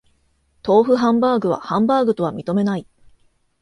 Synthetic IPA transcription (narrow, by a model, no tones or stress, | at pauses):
t̪o̞ːɸɯ̟ɦãmbaːɡɯ̟βa̰hãmbaːɡɯ̟t̪o̞βamʲit̪o̞me̞nai